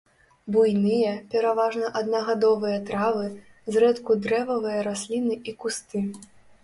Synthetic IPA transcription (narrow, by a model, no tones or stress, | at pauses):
bujnɨjɐpʲɛɾavaʐnɐʔad̪nɐɣad̪ɔvɨjɐt̪ɾavɨ | zrɛt̪kud̪ɾɛvɐvɨjɐɾasʲlʲinɨikust̪ɨ